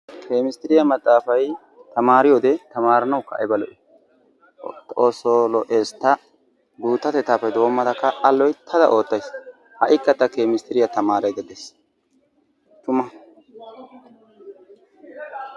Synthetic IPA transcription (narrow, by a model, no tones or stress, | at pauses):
kʰe̞ːmɪst̪ɪɾɪjɐmɐt̪ʼːaːfɐj | t̪ɐmaːɾɪjoːd̪ɛt̪ɐmaːɾɐnɐwkːɐ̰ʔɛ̰bɐlɔ̰ʔɪ | t̪oːsːolɔʔeːst̪ːɐ | b̪uːt̪ːɐt̪ɛt̪ːaːfɐjd̪oːmːɐd̪ɐkːɐʔɐlːɔjt̪ʰɐd̪ɐ̰ʔo̞ːt̪ːɐjs | hɐʔɪkːɐt̪ːɐkeːmɪst̪ɪɾɪjɐt̪ɐmaːɾɐjd̪ɛd̪es | t̪ʊmɐ